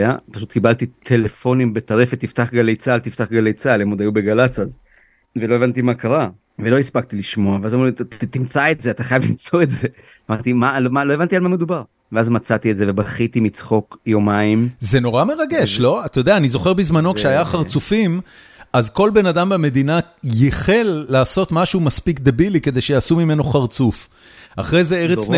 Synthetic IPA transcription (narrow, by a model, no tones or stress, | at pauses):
apaʃut̪kibalt̪it̪ʰe̞lefo̞nimbet̪aʁefet̪ːift̪aχɡalejt͡salt̪ift̪aχɡalejt͡salemod̪ajubeɡalat͡saz | velo̞e̞vant̪imakaʁa | velo̞ispaɡ̚t̪iliʃmo̞aveazamlit̪imt͡saetzeat̪aχajavlimt͡so̞etze | amaʁt̪imalomaloe̞vantialmame̞d̪ubaʁ | veazmat͡sat̪ietzevebaχit̪imit͡sχo̞kjomaimze̞no̞ʁame̞ʁaɡe̞ʃlo̞at̪ajod̪eaːnizo̞χe̞ʁbizmano̞kʃeajaχaʁt͡sufim | azko̞lbe̞nadambeme̞d̪ina | jeχe̞lːaːso̞t̪maʃumaspikd̪ebilike̞d̪e̞jʃejasumime̞no̞χaʁt͡suf | a̰χʁejzeeʁe